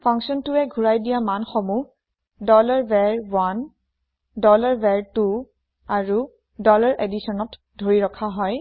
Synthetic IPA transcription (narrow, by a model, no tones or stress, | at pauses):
pʰɔŋksɔntʊɛɡʱuɹajdijamanxɔmu | dɔlaɹbɛɹwan | dɔlaɹbɛɹtu | aɹu | dɔlaɹʔedisɔnɔt | d̥ʱoɹiɹɔkʰaɦɔj